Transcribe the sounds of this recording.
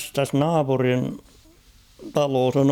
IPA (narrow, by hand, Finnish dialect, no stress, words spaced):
tæs nɑːpurin tɑloːs on